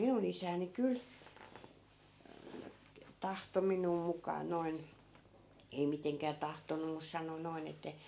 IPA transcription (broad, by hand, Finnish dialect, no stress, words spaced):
minun isæːni kyl tɑhto minˑuː mukˑɑː noi̯n ei miteŋkæː tɑhtonːum̆ mus sɑno noi̯n etːæ